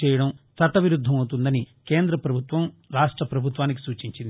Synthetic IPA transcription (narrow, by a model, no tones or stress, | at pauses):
ɛːjɐɽɐmsɐt̪ɐʋiɾud̪ʱːɐmɐwt̪und̪ɐnikeːnd̪ɾɐpɾɐbʱut̪ʋɐmɾaːʂʈɾɐpɾɐbʱut̪ʋaːnik̬i̥suːt͡ʃiɲt͡ʃind̪